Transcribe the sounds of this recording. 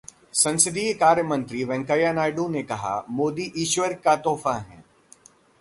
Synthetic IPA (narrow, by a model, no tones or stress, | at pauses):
sɐ̃nsɪd̪iːkaːɾjəmɐ̃nt̪ɾiʋɛ̃ŋkajanaːɪɖũnekɐɦa̰moːd̪iʔiːʃʋəɾkat̪oːfãɦɛ̰̃ː